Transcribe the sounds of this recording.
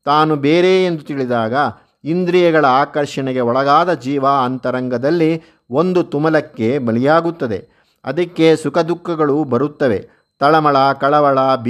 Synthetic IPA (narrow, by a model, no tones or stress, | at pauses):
t̪aːnubeːɾeːnd̪ut̪iɭid̪aːɡɐ | ind̪ɾijɐɡɐɭɐaːkɐɾʂɐɳɛɡe̞ɔɭɐɡaːd̪ɐd͡ʒiːʋaɐnt̪ɐɾɐŋɡɐd̪ɐlːi | o̞nd̪ut̪umɐlɐkːe̞bɐlijaːɡut̪ːɐd̪e̞ | ɐ̰d̪ɐkːe̞sukɐd̪ukːɐɡɐɭubɐɾut̪ːɐʋe̞̰ | t̪ɐɭɐmɐɭɐkɐɭɐʋɐɭɐb